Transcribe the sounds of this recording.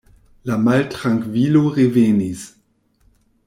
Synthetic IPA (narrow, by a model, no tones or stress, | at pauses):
lamaltʁ̥aŋkviːloʁevenis